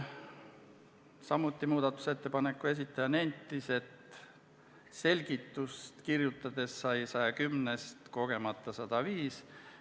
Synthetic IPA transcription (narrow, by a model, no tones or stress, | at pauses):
sɑmːˑut̪ːˑimuːd̪̥ɑt̪ːˑu̥se̞t̪ːe̞pɑnekːˑue̞s̬it̪ˑːɑjɑne̞nʲt̪ˑːise̞t̪ | se̞lʲɡ̥it̪ːˑust̪kirjut̪ːˑɑd̪̥e̞sːɑjsɑjɑkymne̞st̪ko̞ɡ̥e̞mɑt̪ːˑɑsɑd̪̥ɑviːs